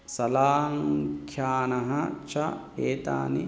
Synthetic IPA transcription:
sɐlaːŋkʰjaːnɐɦɐt͡ʃɐ | eːt̪a̰ːni

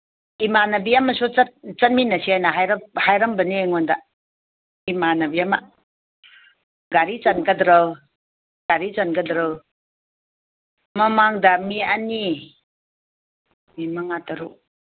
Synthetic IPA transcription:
imanabiamasuat̚t͡ʃat̚minːasiajnaɦajɾahajɾambɐneŋɔnda | imanabiama | ɡaɾit͡ʃanɡadɾəw | ɡ̥aɾit͡ʃankadɾəw | mamaŋdamiani | mimaŋataɾu

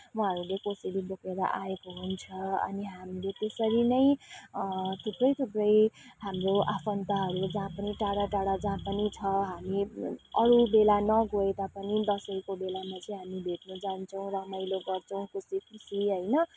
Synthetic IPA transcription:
wʌɦʌɾulekosilibokeɾa̰ʔaekoɦunt͡sʰʌʌ̰niɦamilet̪esʌɾinʌj̃ | t̪ʰuprʌjt̪ʰubrʌjɦamroʔapʰʌnt̪aɦʌɾud͡zãpʌniʈaɽaʈaɽad͡zãpʌnit͡sʰʌɦamiʌɾubelanʌɡoet̪apʌnid̪ʌsʌjkobelamat͡sʌj̃ɦamibʱeʈ̚nud͡zant͡sʰʌw̃ɾʌmʌjloɡʌrt͡sʰʌw̃kusikʰusiiɦʌjnʌ

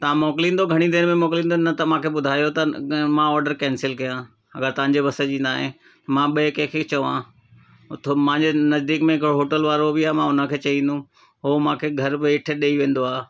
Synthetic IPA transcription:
t̪ɐʋ̤ãmɔːklĩːnd̪oɡʱɐɽ̃id̪ɪnmẽmɔːklĩːn̆d̪onɐt̪ɐmãːkʰeːɓʊd̪ʱaːijot̪ɐmãɔːɾɖəɾkɛ̃ːnsɪlkɐjã | ɐɡəɾt̪ɐʋ̤ãɲ̆d͡ʑebɐsed͡ʑĩːnd̪aːɦẽ | t̪ɐmãɓɐekẽkʰet͡ɕɐʋã̰ː | ʊt̪ʰmãɪ̃ɲd͡ʑenɐzd̪iːkmẽɦɪkɪɾoɦoːʈəlʋaːɾobɪaːmãʊnə̆kʰeːt͡ɕɐĩːnd̪ũ | ɦomãːkʰeːɡʱɐɾbɪɪʈ̆ʰɗeːiʋẽːn̆d̪oaː

